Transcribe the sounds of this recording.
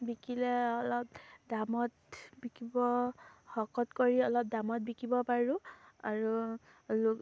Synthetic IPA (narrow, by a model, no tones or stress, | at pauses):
bikʰilɛɔlɔp̚damɔt | bikʰibɔhɔkɔtkoɹiɔlɔp̚damɔt̚bikibɔpaɹʊ̃aɹu | l